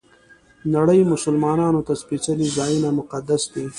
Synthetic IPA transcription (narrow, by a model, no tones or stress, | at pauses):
naɽəjmʊsʊlmɑːnɑnot̪aspet͡ʃalizɑjinamʊqad̪asd̪e